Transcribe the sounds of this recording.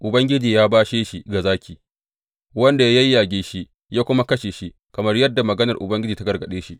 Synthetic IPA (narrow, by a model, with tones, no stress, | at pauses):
ʔʊ˨bɐ˦ŋɡʲɪ˦d͡ʒiː˨jaː˦baː˦ʃeː˦ʃi˦ɡa˨zaː˦kʲiː˨ | wɐ˦nda˨˦jɐ˦jːaː˨ɡʲeː˦ʃi˦ | jaː˦kʷʊ˦ma˦kɐ˦ʃeː˨ʃi˦ | kɐ˨mɐ˦rjɐ˦dːa˨mɐ˨ɡɐ˦nɐ˨rʔʊ̰˨bɐ˦ŋɡʲɪ˦d͡ʒiː˨ta˦ɡɐ˨rɡɐ˨ɗeː˦ʃi˦ʔ